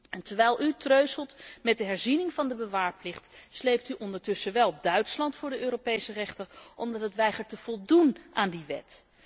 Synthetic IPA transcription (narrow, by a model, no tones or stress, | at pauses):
ɛntəɹʋɛjlˠʔytrøɥsəlˠtmɛt̚dəɦɛɹzinɪŋvɑndəbəʋaːɹplɪχtslejp̚tyʔɔndəɹtɵsəʋɛlˠdœɥtslɑntfʊːɹdəøːɾopejsərɛχtərʔɔmdɑtɦətʋɛjχəɹtəv̥ɔlˠdunʔaːndiʋɛ̰t